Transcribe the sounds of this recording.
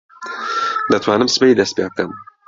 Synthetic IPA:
lɐt̪ʰwaːnɨmsɨ̥pɛjid̪ɐst̪̚pjeːb̚kɐm

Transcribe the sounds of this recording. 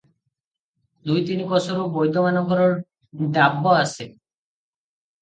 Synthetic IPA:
d̪ujt̪inikɔsɔɾubojd̪ʱɔmanɔɡʱɔɾɔɾ | d̪abːɔase

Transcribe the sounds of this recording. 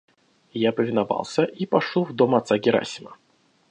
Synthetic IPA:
japɐvʲɪnava̰lˠsʲɐʔipaʂuwd̪ɔmat̪saɡʲiɾa̰sʲimɐ

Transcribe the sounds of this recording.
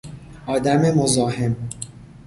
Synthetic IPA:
ʔɒːd̪æme̞mozɒːhe̞m

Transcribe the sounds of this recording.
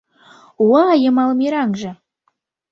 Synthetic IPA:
uɑjɤ̆mɑlˠmʲeɾɑŋʒɤ̆

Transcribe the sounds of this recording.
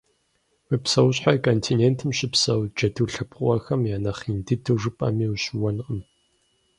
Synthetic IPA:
ɨpsɐwɕħakʰʼoːntʰineːntʰɨmɕɪpsɐwd͡ʒɐdʰɨɬɨpqʼʷɐxɐmjaːnɐχindɨdʰɨʐɨpʼɐ̰miːwɕwɔnqəm

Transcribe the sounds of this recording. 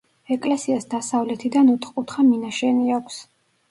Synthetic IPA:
ɛkʼlɛsiasd̪asavlɛt̪ʰid̪anɔt̪ʰχkʼut̪χaminaʃɛniakʷʰs

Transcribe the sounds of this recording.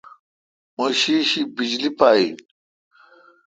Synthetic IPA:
moɕiːɕibid͡ʑlipaːḭ

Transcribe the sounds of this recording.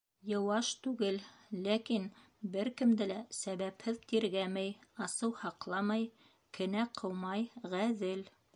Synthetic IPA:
jɤ̆wɑʃt̪ʉɡɘlːækin | bɘɾkɘ̆md̪ɘlæsæβæphɘðt̪iɾɡæmæjɑsɤwhɑqlˠɑmɑj | kʰɘ̆næqʰɤwmɑjʁæðɘl

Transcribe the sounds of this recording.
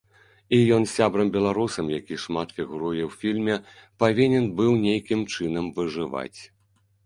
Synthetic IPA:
ijɔnsʲabɾɐmbʲɛlˠaɾusɐmjakʲiʂmat̪fʲiɣuɾujɛwfʲilʲmʲɛpavʲinʲɛnbɨwnʲejkʲimt͡ʂɨnɐmvɨʐɨva̰t͡sʲ

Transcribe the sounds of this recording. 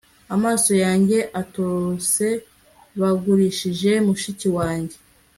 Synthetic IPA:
amaːso̞jaːɲɟe̞ʔatose̞ | βaɡuɾiʃiʒe̞muʃiciwaːɲɟe̞

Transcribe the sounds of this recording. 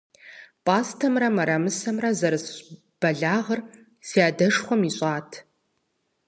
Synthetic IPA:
pʼaːstʰɐmrɐmɐɾɐmɨsɐmrɐzɐɾɨs | b̥ɐɮaːʁɐr | siaːdɐʂχʷɔmiɕʼaːtʰ

